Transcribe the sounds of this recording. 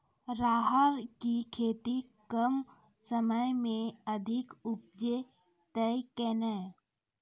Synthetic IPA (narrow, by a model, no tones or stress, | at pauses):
ɾaːɦəɾkikʰeːt̪ikəm | səməjmẽəd̪ʱɪkʊp̚d͡ʒe | t̪əjkɛːnə